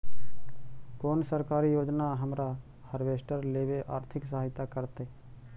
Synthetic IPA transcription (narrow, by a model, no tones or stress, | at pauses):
koːnsəɾkaːɾijoːd͡ʒnaɦəmɾa | həɾʋeːsʈəɾleːʋeʔaːɾt̪ʰɪksəaːɪt̪akəɾt̪eː